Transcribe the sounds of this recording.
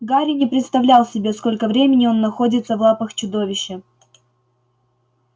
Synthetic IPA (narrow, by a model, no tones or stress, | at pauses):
ɡaɾʲɪnʲɪpɾʲɪt̪st̪ɐvlʲalˠsʲɪbʲe̞sko̞lʲkəvɾʲemʲɪnʲɪo̞nːɐxo̞dʲɪt̪səvlˠapəxt͡ɕʊd̪o̞vʲɪɕːə